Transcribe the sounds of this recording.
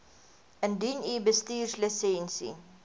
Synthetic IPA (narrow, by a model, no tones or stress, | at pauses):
əndinibəstiːrsləsɛnsḭ